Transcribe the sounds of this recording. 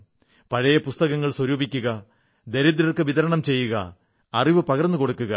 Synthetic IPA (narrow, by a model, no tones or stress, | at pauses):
pɐɻɐjɐpust̪ɐɣɐŋːɐɭswɐɾuːbikʲːuɣɐ | d̪eɾid̪ɾɐrkɨʋiðɐɾɐɳɐmt͡ɕe̞jːuɣɐː | riʋɨpɐɣɐrnːɨko̞ɽukːuɣɐ